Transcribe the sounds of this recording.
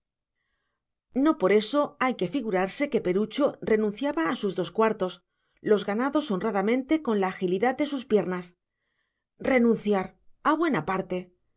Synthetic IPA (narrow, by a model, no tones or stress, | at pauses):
no̞po̞ɾe̞so̞ajke̞fiɣuɾaɾse̞ke̞pe̞ɾut͡ʃo̞re̞nũn̟θjaβaːsuzðo̞skwaɾt̪o̞s | lo̞zɣanaðo̞so̞nraðamẽ̞nt̪e̞ko̞nlaːxiliðaðd̪e̞suspje̞ɾnas | re̞nũn̟θjaɾaβwe̞napaɾt̪e̞